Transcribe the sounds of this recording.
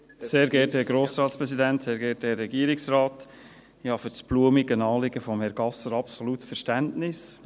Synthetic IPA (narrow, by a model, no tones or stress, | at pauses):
seːɾɡɛɾtɛɡɾoːsɾɑːt̪spɾɛsid̪ænt̪seːɾɡɛːtɛrɛɡiəɾɪksɾɑːt | ɪɑfyɾt͡sb̥luəmɪɡənɑːlɪɡəfɔmhɛɾɡ̥ɑsəɾɑpsɔlutfɛɾʃtæntnɪs